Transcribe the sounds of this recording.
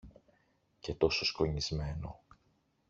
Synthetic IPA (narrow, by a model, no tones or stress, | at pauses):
ce̞t̪o̞soskoɲizme̞no̞̰